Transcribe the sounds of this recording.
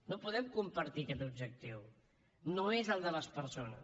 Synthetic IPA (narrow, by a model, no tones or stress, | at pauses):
nopuðɛmkumpəɾt̪ikɛt̪ubʒək̚t̪iw | noezəlˠd̪ələspəɾsonə̰s